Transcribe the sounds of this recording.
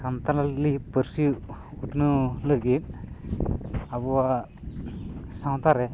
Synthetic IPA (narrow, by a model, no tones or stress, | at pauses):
samt̪alallipəɾsiut̪nuləɡit̪̚ | abua | saw̃t̪aɾɛ